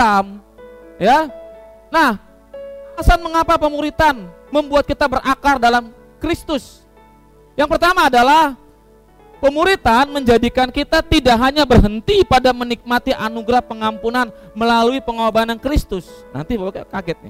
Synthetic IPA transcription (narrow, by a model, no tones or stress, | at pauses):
am | ja | nah | asanməŋapapəmuɾit̪an | məmbuat̪̚kit̪abərʔakardalam | kɾist̪ʊs | jaŋpərt̪amaːdalah | pəmuɾit̪anməɲd͡ʒadikankit̪at̪idaʔɦaɲabərɦənt̪ipadamənik̚mat̪iʔanuɡɾahpəŋampunan | məlaluipəŋoabanankɾist̪ʊsna̰nt̪ibawkaɡɛt̪̚nɪ̰